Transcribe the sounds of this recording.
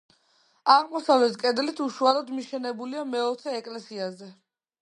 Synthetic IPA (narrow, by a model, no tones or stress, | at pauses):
aʁmɔsavlɛt̪kʼɛd̪lit̪ʰuʃualɔd̪miʃɛnɛbuliamɛɔt̪sʰɛːkʼlɛsiazɛ